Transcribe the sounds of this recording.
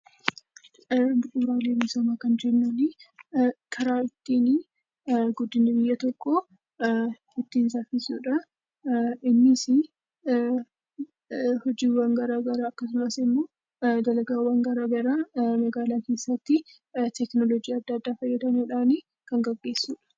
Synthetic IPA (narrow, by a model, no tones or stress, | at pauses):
bʊʔuɾaːleːmʊsɐmaːkɐnd͡ʒɛnːɐnɪ | kʰɐɾaːɪt̪ːiːni | ɡʊd̪ːɪnːɪbɪjːɐt̪ɔkːo | ɪt̪ːiːnsafɪsuːᶑɐ | ɪnːɪsɪ | hɔd͡ʒiːwaːŋɡɐɾaːɡɐɾaːɐkːɐsʊmɐsɪmːo̞ː | d̪ɐlɐɡaːwaːŋɡɐɾaːɡɐɾaːmɐɡaːlaːke̞ːsːɐt̪ːɪ | t̪ɛknɔlɔd͡ʒiːɐd̪ːɐd̪ːaːfɐjːɐt̪ɐnuːᶑaːni | kɐŋɡɐɡːe̞ːsːuːᶑɐ̥